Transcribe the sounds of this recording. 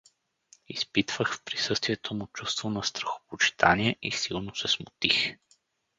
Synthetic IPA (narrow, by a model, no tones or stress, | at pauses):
ispit̪vəxfpɾisɤst̪viɛt̪ʰomʊt͡ʃust̪vonɐst̪ɾɐxo̥pot͡ʃi̥t̪ʰa̰niɛʔisilˠnosɛsmʊt̪ix